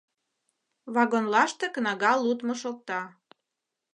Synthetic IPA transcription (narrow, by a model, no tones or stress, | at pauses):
βɑɣonlɑʃt̪eknɑɣɑlut̪moʃok̚t̪ɑ